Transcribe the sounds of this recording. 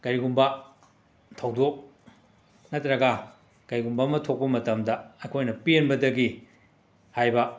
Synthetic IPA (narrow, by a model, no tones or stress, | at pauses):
ɡ̥ɐɾiɡumbɐ | tʰɐwdok̚ | nɐtɾɐɡɐ | ɡ̥ɐɾiɡumbɐmɐtʰok̚pɐmɐtɐmdɐɐjkʰojnɐpienbɐdɐɡi | hajbɐ